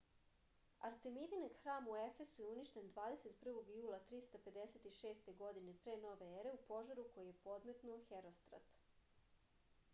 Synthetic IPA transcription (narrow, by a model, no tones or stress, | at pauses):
aɾt̪e̞mid̪inaɡxɾaːmue̞fe̞sujeuniʃt̪e̞nd̪ʋaːd̪ese̞t̪pr̩ʋo̞ɡjuːlˠat̪ɾist̪ape̞d̪ese̞t̪iʃe̞ːst̪e̞ɡo̞d̪ine̞pɾe̞ːno̞ʋe̞eɾe̞upo̞ʒaɾuko̞jijepo̞d̪me̞t̪nuoxeɾost̪ɾa̰t̪